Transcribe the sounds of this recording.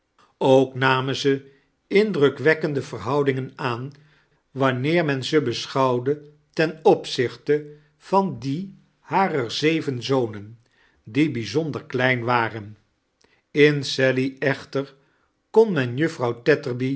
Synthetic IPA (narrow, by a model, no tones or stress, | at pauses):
owknaːmənzə | ɪndrɵkʋɛkəndəvərɦʌwdɪŋənaːn | ʋɑnɪːɹmɛnzəbəsχɑwdə | tɛnɔpsɪχtə | v̥ɑndi | haːrəɹzejvənzownən | dibizɔndəɹklɛjnʋaːrən | ɪnsɛliɛχtəɹ | kɔnmɛnjɵfrɑwtɛtəɹbi